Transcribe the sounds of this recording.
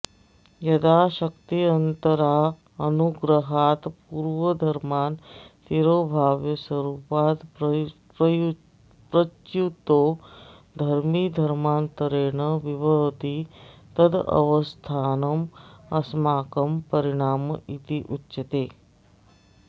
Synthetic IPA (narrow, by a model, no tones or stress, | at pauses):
jɐd̪aːʃɐkt̪iɐnt̪əɾaː | ɐnuɡɾəɦaːt̪puːɾʋəd̪ʱɐɾmaːnt̪iɾoːbʱaːʋjɐsɐɾuːpaːt̪ | pɾ | pɾət͡ʃut̪oː | d̪ʱɐɾmid̪ʱɐɾmaːnt̪ɐɾeːɳəʋiʋəʋt̪it̪ɐd̪ɐ̰ʋəst̪ʰaːnɐmɐsmaːkɐmpɐɾiɽ̃aːmɐʔit̪iʔutːt͡ʃɐt̪eː